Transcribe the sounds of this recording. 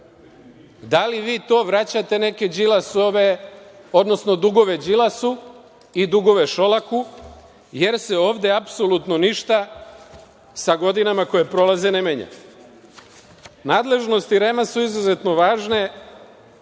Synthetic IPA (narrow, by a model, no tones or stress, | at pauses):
d̪aliʋiːt̪o̞ːʋɾat͡ɕat̪e̞ne̞ke̞d͡ʑilasoʋe | o̞d̪no̞sno̞d̪uɡo̞ʋe̞d͡ʒilasu | id̪uɡo̞ʋe̞ʃo̞laku | je̞ɾse̞o̞ːʋd̪eapso̞lut̪no̞niʃt̪a | saɡo̞d̪inamako̞je̞pɾo̞lazenemeːɲa̰ | naːd̪le̞ʒno̞st̪iɾemasuizazet̪no̞ʋaːʒne̞